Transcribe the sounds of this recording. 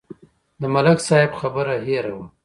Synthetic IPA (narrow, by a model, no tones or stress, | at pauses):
d̪əmalaksɑɪbxabəɾaɦeɾawum